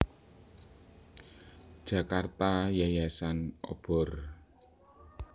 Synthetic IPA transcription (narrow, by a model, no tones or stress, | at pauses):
d̥ʒ̥a̤kart̪ajajasano̰b̥ɔ̤r